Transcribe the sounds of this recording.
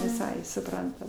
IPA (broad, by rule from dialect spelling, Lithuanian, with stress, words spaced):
ʋʲɪˈsɐɪ sʊˈprɐntɐm